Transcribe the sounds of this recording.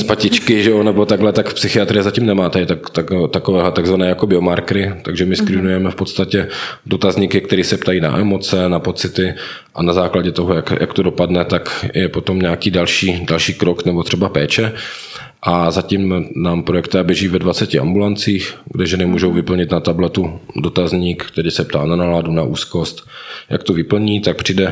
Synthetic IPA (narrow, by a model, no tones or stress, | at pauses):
spacɪt͡ʃkɪʒɛonɛbo̞t̪aɡɦlɛt̪akfpsɪxɪat̪ɾɪɛzaciːmnɛmaːt̪ɛt̪akt̪akt̪akovɛːɦlɛt̪aɡzvanɛːjakobɪomaɾkɾɪt̪aɡʒɛmɪskɾɪnujɛmɛfpot̪st̪acɛdot̪azɲikɪk̚t̪ɛɾiːsɛpt̪ajiːna̰ʔɛmo̞t͡sɛnapo̞t͡sɪt̪ɪ | ʔanazaːklaɟɛt̪oɦojakjʔa̰kt̪odopadnɛt̪akjɛpo̞t̪o̞mɲɛakiːdalʃiːdalʃiːkɾoknɛbo̞t̪r̝̥ɛbapɛːt͡ʃɛ | ʔazacimnaːmpɾojɛkt̪ɪabjɛʒiːvɛdvat͡sɛcɪa̰mbulant͡siːxɡdɛʒɛnɛmuːʒowvɪpl̩ɲɪt̪nat̪ablɛt̪udo̞t̪azɲiːkkt̪ɛɾiːsɛp̚t̪aːnanaladunaʔṵːsko̞st̪jʔa̰kt̪ovɪpl̩ɲiːt̪ak̚pr̝̥idɛ